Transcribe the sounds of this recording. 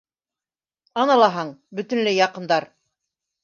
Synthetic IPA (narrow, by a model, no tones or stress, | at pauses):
ɑnɑlˠɑɦɑɴbɵ̆t̪ɵ̆nlɘjɑqɤ̆nd̪ɑɾ